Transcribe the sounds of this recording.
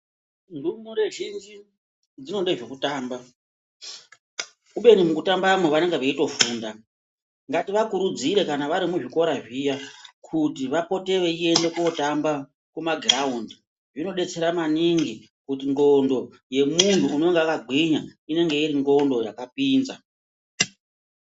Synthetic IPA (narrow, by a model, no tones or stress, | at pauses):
ndumuɾe̞ʒind͡ʒi | d͡zino̞ɗeʐekutaːmba | uɓe̞ɲumukutambamoʋane̞ŋɡeʋaito̞fuːnda | ŋɡatiʋakuɾud͡ziɾe̞kanaʋaɾimuʐiko̞ɾaʐijakʰutiʋapo̞te̞ʋe̞ie̞nde̞kuotamba | kumaɡʱraundi | ʐino̞ɗe̞t͡se̞ɾamaniŋɡi | kutiŋɡo̞ndo̞ | je̞muntuːno̞ŋɡeakaɡʱiɲaine̞ŋɡe̞iɾiŋɡo̞ndo̞jakapiːnza